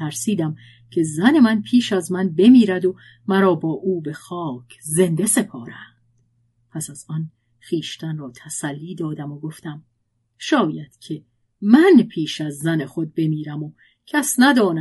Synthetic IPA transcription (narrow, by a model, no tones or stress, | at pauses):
æɾsiːd̪æm | cʰe̞zæne̞mænpʰiːʃæzmænbe̞miːɾæd̪o | mæɾɒːbɒːʔuːbe̞xɒːkʰze̞nd̪e̞se̞pʰɒːɾæ | d̪̥ | pʰæsæz̥ɒn | xiːʃt̪ʰænrɒːt̪ʰæsælːiːd̪ɒːd̪æmoɡo̞ft̪æm | ʃɒːjæd̪̥cʰe̞ | mænpʰiːʃæzːæne̞xo̞d̪̚be̞miːɾæmo | cʰæsnæd̪ɒːnæ